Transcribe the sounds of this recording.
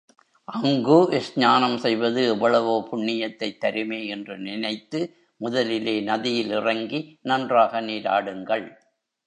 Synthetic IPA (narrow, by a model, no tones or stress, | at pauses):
ʔɐŋɡɯʔɛsɲaːnɐmsɛjʋɐðɯɛʋːɐɭɐʋoːpʊɳːɪjɐt̪ːɐɪt̪ːɐɾɯmeːɛndrɯnɪnɐɪt̪ːɯ | mʊðɐlɪleːnɐðɪjɪlɪrɐŋɡinɐndraːɣɐniːɾa̰ːɽɯŋɡɐɭ